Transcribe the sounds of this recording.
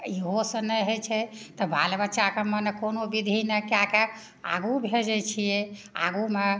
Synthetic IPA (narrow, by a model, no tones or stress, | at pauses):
iɦosə̃nɛjɦət͡ʃʰɛt̪əbʱalbətːʃakəmənɛkonobid̪ʱinɛkake | a̰ɡubʱed͡ʒɛt͡ʃʰijea̰ɡume